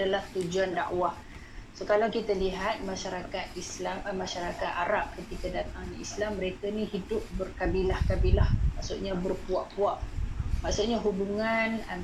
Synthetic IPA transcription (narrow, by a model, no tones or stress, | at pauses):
dalaht̪ud͡ʒuanda̰ʔwah | sokalawkit̪əliɦat̪̚maʃaɾakat̪̚islammaʃaɾakat̪aɾap̚kət̪ikadat̪aŋnḭslamːəɾekənihidʊp̚bərkabilahkabilahmaʔsṵʔɲabərpuaʔpuaʔmaʔsuʔɲaɦubuŋan